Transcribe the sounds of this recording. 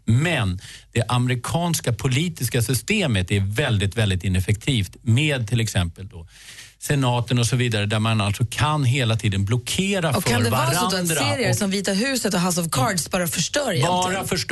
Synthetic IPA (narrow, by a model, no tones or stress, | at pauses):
mɛnd̪̥ɛʔamɛɾɪkʰɑːnskapʰʊliːt̪ɪskasʏst̪eːmət̪æɾvɛld̪ɪt̪vɛld̪ɪt̪ɪnɛfɛk̚t̪ʰiːft̪meːd̪̚t̪ʰɪlɛksɛmpəld̪ɔ | sɛnɑːt̪ənɔsɔviːd̪aɾəd̪æɾmanalt̪sɔkʰanɦeːlat̪ʰiːd̪ənblɔkʰeːɾaɔfanɾd̪ɛvaːsaɔd̪ɔɛnseːɾɪəsɔmviːt̪aɾɦʉ̟ːsət̪ɔɦas̬ɔvkʰɑːɖsbɑːɾafœʂʈœɾjabːɾafœʂ